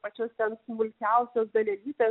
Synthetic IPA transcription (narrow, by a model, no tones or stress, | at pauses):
pɐt͡ʃʲoːst̪ʲɛnsmʊlʲkʲæˑʊsʲoːsd̪ɐlʲɛlʲiːt̪ʲeː